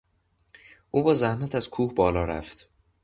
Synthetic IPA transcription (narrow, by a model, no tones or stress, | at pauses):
ʔuːbɒːzæhmæt̪ʰæzkʰuːhbɒːlɒːɾæ̰ft̪